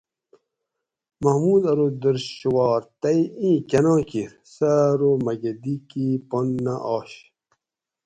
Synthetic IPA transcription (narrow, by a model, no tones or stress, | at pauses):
mɐhmuːd̪ɐɾod̪əɾɕɕuwɑːɾt̪ɐjĩːkɐnɑ̃ːkiɾ | sɐɾomɐɡed̪ikiponːaʔɑːɕ